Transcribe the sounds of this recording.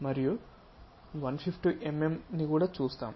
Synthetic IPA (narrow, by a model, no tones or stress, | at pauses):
mɐɾiju | ʋɐnpʰipʰʈuʔememnikuːɽaːt͡ʃuːst̪a̰ːm